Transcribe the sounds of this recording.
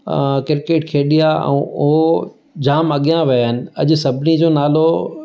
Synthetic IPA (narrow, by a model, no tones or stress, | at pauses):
kɪɾkeːʈkʰeːɗijaɛ̰̃ːʊɦo | d͡ʑaːmɐɠijãʋiaɪnɪ̆ɐʄʊ̆sɐbʱɪnid͡ʑoːnaːlo